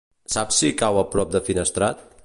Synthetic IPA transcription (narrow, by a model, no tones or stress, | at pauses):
sapsikawəpɾɔp̚d̪əfinəst̪ɾat̪̚